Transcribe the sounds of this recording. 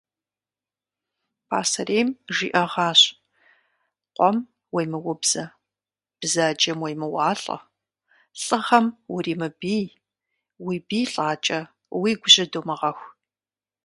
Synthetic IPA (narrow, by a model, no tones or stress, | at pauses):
pʰaːsɐreːmʒḭːʔɐʁɑːɕ | qʷʼɔm | wejmɨwʊbz̥ɐ | b̥zaːd͡ʒɐmwejmɨwɑːɬʼɐ̰ | ɬʼɨχɐmwʊriːmɨbiː | wiːbiːɬʼaːt͡ʃʼɐ | wiːɡʷʊɕʼɪdoːmɐʁɐxʷ